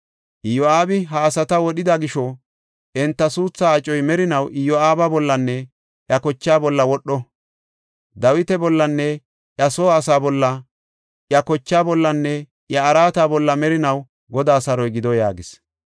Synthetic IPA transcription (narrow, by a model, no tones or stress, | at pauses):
ʔɪjɔaːbɪɦaːsɐt̪ɐwɔɗɪd̪ɐɡɪʃɔ | ʔɛnt̪ːɐsuːt͡sːaːt͡ʃʼːɔjmɛɾɪnɐwʔɪjɔaːbɐbɔlːɐnːɛ | ʔjɐkɔt͡ʃːaːbɔlːɐwɔɗːɔ | d̪ɐwɪt̪ɛbɔlːɐnːɛ | ʔjɐsoːɐsaːbɔlːɐ | ʔjɐkɔt͡ʃːaːbɔlːɐnːɛ | ʔjɐːɾaːt̪abɔlːɐmɛɾɪnɐw | ɡɔd̪aːsɐɾɔjɡɪd̪ɔja̰ːɡɪs